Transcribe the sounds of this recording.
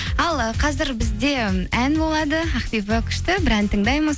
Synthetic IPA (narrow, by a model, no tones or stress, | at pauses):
ɑlˠəqʰɑzɪɾbɪzd̪e̞ænbo̞lˠɑd̪əɑqp̪ijpɑkʲʰʏ̥ʃt̪ɪbɪɾænt̪ʰəɴd̪ɑjməz